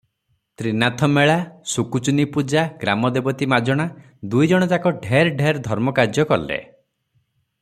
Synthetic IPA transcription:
t̪ɾinat̪ʰɔmeɭasukut͡ʃunipud͡ʒaɡɾamɔd̪ebɔt̪imad͡ʒɔɽ̃a | d̪ujd͡ʒɔɽ̃ɔd͡ʒakɔɖʱeɾɖʱeɾd̪ʱɔɾmɔkaɾd͡ʒjɔkɔlḛ

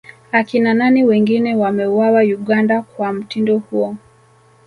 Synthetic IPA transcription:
akinananiwɛŋɡinɛwamɛuwawajuɠandakwam̩tindɔhuɔ

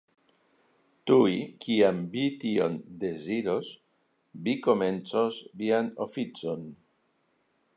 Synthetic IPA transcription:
t̪uikiamvit̪io̞nd̪e̞ziɾo̞s | biko̞me̞nt͡so̞sviano̞fit͡so̞n

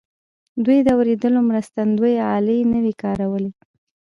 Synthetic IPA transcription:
d̪ujd̪əawɾed̪əlomɾəst̪and̪ujɑlənəwikɑɾawəle

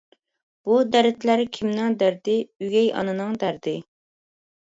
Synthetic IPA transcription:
b̥ud̪æɾɪt̪læɾkʲʰimnɪŋd̪æɾd̪ɪyɡʲɛjɑ̰nɨnɨŋd̪æɾd̪ɪ

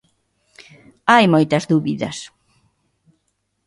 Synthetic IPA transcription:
ajmojt̪ɐzðuβiðɐs

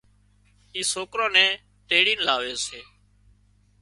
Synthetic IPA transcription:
iːsoːkɾãːnɛ̃ː | t̪eːɽiːnlaːʋeːseː

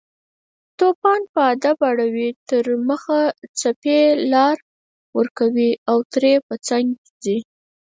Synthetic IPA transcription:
t̪opɑnpəad̪abaɽawit̪əɾməxat͡sapelɑɾ | wəɾkawiawt̪ɾepət͡saŋɡ | zi

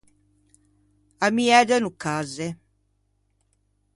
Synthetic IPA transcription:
amiɛd̪ənukːaze

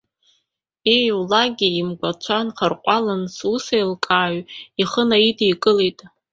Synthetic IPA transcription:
ejwlaɡʲiimɡʷat͡ʃʷʰanχərqʷʼalansusajlkʼaːɥiχənaidʼijkʼɨletʼ

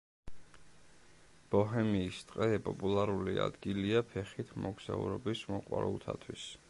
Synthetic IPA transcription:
b̥ɔɦɛmiːst̪ʼqʼɛpʼɔpʼulˠaɾulia̰d̪̥ɡiliapʰɛχit̪ʰmɔɡz̥aṵɾɔbismɔqʼwaɾṵlˠt̪ʰat̪ʰwis

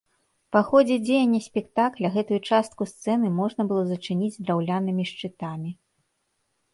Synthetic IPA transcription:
paxɔd͡zʲɛd͡zʲejɐnʲːɐsʲpʲɛkt̪aklʲɐɣɛt̪ujut͡ʂast̪̚kust̪sɛnɨmɔʐnɐbɨlˠɔzɐt͡ʂɨnʲid͡z̪ʲd̪ɾawlʲanɨmʲiʂt͡ʂɨt̪amʲi

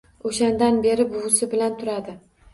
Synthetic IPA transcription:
oʃand̪anbe̞ɾɪbʊsɪbɪlant̪ʰʊɾad̪ɪ

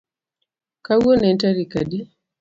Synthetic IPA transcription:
kawɔnɛntaɾikadi

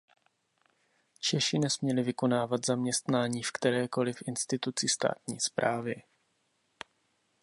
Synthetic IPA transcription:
t͡ʃɛʃɪnɛsmɲɛlɪvɪko̞naːvat̪zamɲɛst̪naːɲiːfkt̪ɛɾɛːko̞lɪfʔɪnst̪ɪt̪ut͡sɪst̪a̰ːt̪ɲiːspɾʔaːvɪ

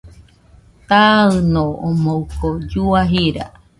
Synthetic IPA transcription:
t̪aɨnoomowkod͡ʒuaɦiɾa̰

